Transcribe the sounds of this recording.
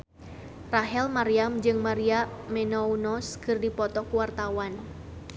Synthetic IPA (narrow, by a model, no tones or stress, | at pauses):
raɦɛlmaɾiamd͡ʒɨŋmaɾiamɛnɔunɔskɨrdipɔt̪ɔkuwart̪awan